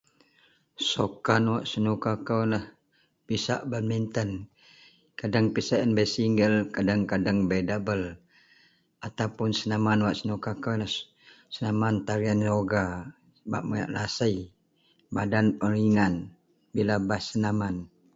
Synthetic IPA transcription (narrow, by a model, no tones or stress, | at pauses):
sokanwaʔsənukakəwlah | pisa̰ʔbəmint̪ən | kadaŋpisaʔənbəsiŋɡəlkadaŋkadaŋbedabəl | at̪awpʊnsənamanwaʔsənukakəwlah | sənamant̪aɾianroɡa | əba̰ʔ̚maja̰ʔlasəj | badanpəɾiŋan | bilabasənaman